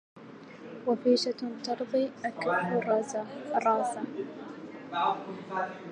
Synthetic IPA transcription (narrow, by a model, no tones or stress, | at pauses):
wafiːʃat̪ɑɾˤðˤiːʔakɾħrˤ | ɾˤɑːsa